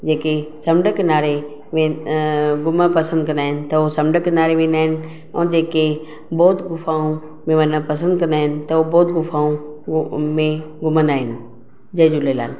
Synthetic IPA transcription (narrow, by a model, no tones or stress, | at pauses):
d͡ʑeːkesɐmɖəknaːɾe | ʋẽ | ɡʊməpɐsə̃nd̪kɐ̃nd̪aːɦɪnɪ̆t̪ɐosɐmɖəknaːɾeʋẽːnd̪aːɦɪnɪ | ɔ̰ːd͡ʑeːke | bɔːt̪ɡʊfaːũ | mẽʋɐnəpɐsə̃nd̪̚kɐ̃nd̪aːɪnɪ̆t̪ɐobɔːt̪ɡʊfaːũ | mẽɡʊmə̃nd̪aːɦɪnɪ̆ | d͡ʑɐɦɪ̃d͡ʑulela̰ːl